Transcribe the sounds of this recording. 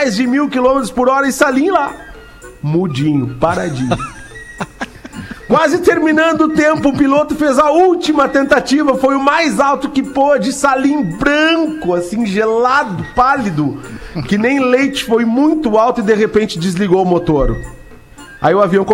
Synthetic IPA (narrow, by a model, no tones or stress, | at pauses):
jzd͡ʒɪmiwkilõmet̪ɾʊspʊɾɔɾɐɪsalĩla | mud͡ʒĩɲʊpaɾad͡ʒĩʊ | kwazɪt̪eɾminɐ̃nd̪ʊːt̪ẽmpʊːpilot̪ʊfezɐuwt͡ʃimɐt̪ẽnt̪at͡ʃivɐfojʊmajzawt̪ʊkɪpod͡ʒɪsalĩbɾɐ̃ŋkʊasĩʒelad̪ʊpalid̪ʊkɪnẽj̃lejt͡ʃɪ̥fojmũj̃t̪ʊawt̪ʊɪd̪eɣepẽnt͡ʃɪd͡ʒɪzliɡowʊmot̪oɾʊ̰ | a̰iʊaviɐ̃w̃k